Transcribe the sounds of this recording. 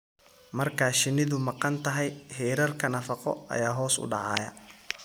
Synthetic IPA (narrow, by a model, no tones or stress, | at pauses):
mɐrkʰaːʃɪnɪðʊmɑqɑnt̪ʰɐɦɛjhɛːɾɐrkʰɐnɐfɑqɔ̰ɐ̰jaːɦɔːsʊ̰ɖɑ̰ʕɑ̰ːjɐ̰